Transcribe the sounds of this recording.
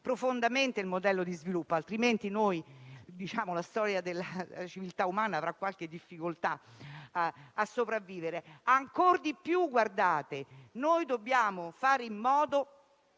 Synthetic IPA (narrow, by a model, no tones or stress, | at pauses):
pɾofond̪ament̪eilmod̪ɛlːod̪izvilupːoalt̪ɾiment̪inojd̪it͡ʃaːmolast̪ɔːɾjad̪elːat͡ʃivilt̪aumaːnaːvɾakːwalk̟ed̪ːifːikolt̪a | asːopɾavːiːveɾeaŋkord̪ipjuɡːward̪aːt̪enojd̪obːjaːmofaːɾeimːɔːd̪o